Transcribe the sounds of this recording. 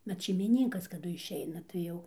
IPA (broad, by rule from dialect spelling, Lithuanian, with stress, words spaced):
ʋɐt ʃʲɛɪmʲɪˈnʲɪŋkɐs kɐˈdʊ ɪʃʲˈɛɪnɐ tɐɪ ˈjɛʊ